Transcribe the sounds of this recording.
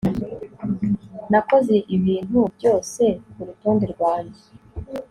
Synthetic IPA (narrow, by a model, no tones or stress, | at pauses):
nako̞ze̞ʔiβiːn̥hubjo̞ːse̞kuɾutoːndeɾɡwaːɲe